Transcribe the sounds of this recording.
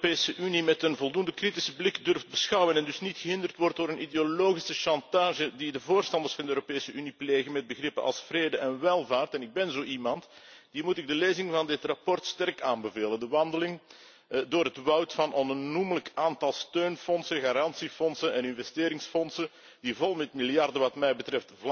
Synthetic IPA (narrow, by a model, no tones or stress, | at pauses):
peːsəʔynimɛtənvɔlˠdundəkritɪsəblɪkdʏrft̚bəsxɑwənɛndɵsnitxəɦɪndərtʋɔrt̚doːɾənʔideoloːɣisəʃɑntaːʒədidəvoːrstɑnd̪ərsfɑnd̪əøːɾopeːsəynipleːɣənmɛd̚bəɣrɪpənɑ̰lˠsfreːdəʔɛnʋɛlˠvaːrtɛnɪɡ̚bɛnzoːʔimɑntd̥imutɪɡ̚dəleːzɪŋvɑndɪtrapɔrtstɛrkaːnbəveːləndəʋɑndəlɪŋ | doːrɦətʋɑwtfɑnʔɔnumələkaːntɑlˠstøːnfɔnsəɣaːɾɑnsifɔnsənɛnɪnvɛsteːɾɪŋsfɔnsə | divɔlˠmɛtmɪljɑrdəʋɑtmɛjbətɾɛft